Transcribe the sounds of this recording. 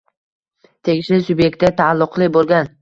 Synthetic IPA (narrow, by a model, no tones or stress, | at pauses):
t̪ʰe̞ɡʲɪʃlɪsʊbje̞k̚t̪ːɪt̪ʰalˠːʊqlˠɪbolˠɡʲan